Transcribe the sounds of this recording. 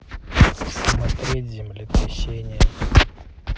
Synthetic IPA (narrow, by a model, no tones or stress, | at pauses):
smɐt̪ɾʲetʲzʲɪmlʲɪt̪ɾʲɪɕʲenʲɪjə